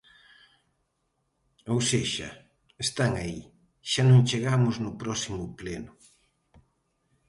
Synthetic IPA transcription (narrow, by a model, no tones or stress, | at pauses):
owseʃɐ̰ | est̪aŋai | ʃanõŋt͡ʃeɣamʊznʊpɾɔsimʊplenʊ